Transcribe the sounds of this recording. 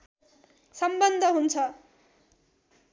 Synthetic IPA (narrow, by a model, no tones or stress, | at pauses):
sʌmbʌnd̪ʱʌɦunt͡sʰʌ